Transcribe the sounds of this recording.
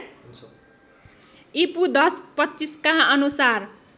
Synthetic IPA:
ipud̪ʌspʌtːt͡siskaʌnusar

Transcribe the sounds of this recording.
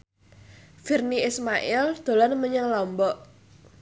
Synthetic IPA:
firniismaʔɪɛld̪̥o̤lanməɲəŋlɔmbɔʔ

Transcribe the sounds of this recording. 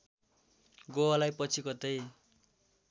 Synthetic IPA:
ɡowalajpʌt͡sʰikʌt̪ej

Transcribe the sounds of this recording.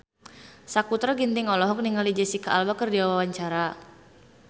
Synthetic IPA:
sakut̪ɾaɡint̪ɪŋɔlɔɦɔk̚niŋalid͡ʒɛsikaʔalwakərdiawawaɲt͡ʃaɾa

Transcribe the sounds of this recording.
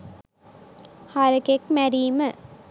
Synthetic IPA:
haɾɐkekmæɾiːmə

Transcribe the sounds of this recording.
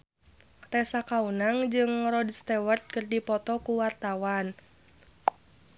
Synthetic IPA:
t̪ɛsakaunaŋd͡ʒɨŋrɔdst̪ɛwərt̪̚kɨrdipɔt̪ɔkuwart̪awan

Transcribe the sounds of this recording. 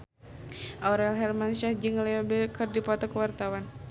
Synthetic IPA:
ʔɔɾɛlɦɛrmanʃahd͡ʒɨŋlɛobɛkɨrdipɔt̪ɔkəwart̪awan

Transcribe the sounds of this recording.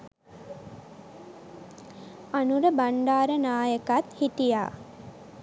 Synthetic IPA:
anuɾəbaɳɖaːɾənaːjəkat̪hit̪ija̰ː

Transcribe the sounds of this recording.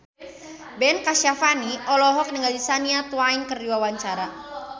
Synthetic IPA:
bɛnkaʃafaniʔɔlɔɦɔk̚nəŋɡaldisaniat̪uainkərdiwawaɲt͡ʃaɾa

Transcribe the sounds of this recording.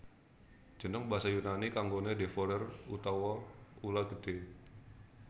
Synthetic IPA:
d͡ʒ̥ə̤nəŋbaɦasajunanikaŋɡonedefɔɾərut̪awaulaɡəd̥e

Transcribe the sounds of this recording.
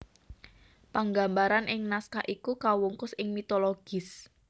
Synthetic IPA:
paŋɡambaɾanʔɪŋnaskaʔikukawuŋkʊsɪŋmit̪oloɡ̥ɪs

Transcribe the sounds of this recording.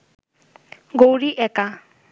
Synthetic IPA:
ɡowɾiʔɛka

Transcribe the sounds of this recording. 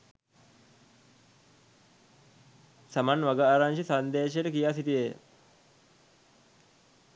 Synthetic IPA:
samanʋaɡaaːɾaŋʃisand̪eːʃ̬əʈəkijaːs̬it̪iʋe

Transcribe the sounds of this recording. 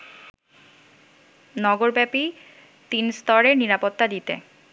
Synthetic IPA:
nɔɡoɾbɛpi | t̪inst̪ɔɾeɾniɾapot̪ːad̪it̪ḛ

